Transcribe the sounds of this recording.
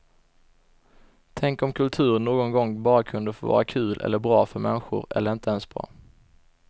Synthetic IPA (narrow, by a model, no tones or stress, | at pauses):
t̪ʰɛŋkɔmkʰɵlt̪ʰʉ̟ːɾnoːɡɔnɡɔŋːbɑːɾakʰɵnd̪əfoːvɑ̰ːɾakʰʉ̟ːlʔɛ̰lːəɾbɾɑːfœɾmɛnɧʊ̰ɾɛ̰lːəɾɪnt̪əɛnsbɾɑ̰ː